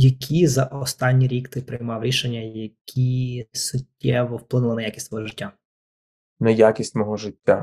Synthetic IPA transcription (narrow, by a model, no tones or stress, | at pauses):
jɐkʲʰizɐʔɔst̪ɑnʲːiɾʲikt̪ɪpɾɪjmɑwɾʲiʃenʲːɐjɐkʲʰisʊtʲːɛʋɔwplˠɪnʊlˠɐnɐjakʲisʲtʲʋɔɦɔʒɪtʲːa | nejakʲisʲtʲmɔɦɔʒɪtʲːa